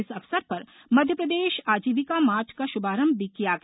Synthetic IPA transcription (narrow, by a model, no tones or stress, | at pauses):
ɪsɐfsəɾpɐɾ | mɐd̪ʱjəpɾəd̪eːʃaːd͡ʒiːʋɪkamaːʈʰkaʃʊbaːɾə̃mbːikijaːɡ